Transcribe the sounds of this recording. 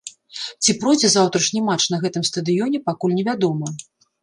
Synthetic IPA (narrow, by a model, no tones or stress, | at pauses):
t͡sʲipɾɔd͡zʲɛzawt̪ɾɐʂnʲimat͡ʂnɐɣɛt̪ɨmst̪ɐd̪ɨjɔnʲɛpakulʲnʲɛvʲad̪ɔmɐ